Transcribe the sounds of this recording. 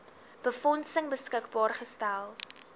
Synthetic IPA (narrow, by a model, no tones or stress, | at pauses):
b̥əfɔnsəŋbəskəkbɑːrχəstælˠ